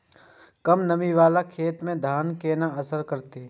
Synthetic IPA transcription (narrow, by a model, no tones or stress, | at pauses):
kɐmnɐmiʋaːlakʰeːt̪mẽd̪ʱaːnkeːnaɐsəɾkɐɾt̪eː